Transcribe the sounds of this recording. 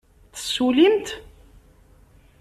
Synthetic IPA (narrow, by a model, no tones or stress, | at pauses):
θə̥sːulimt̪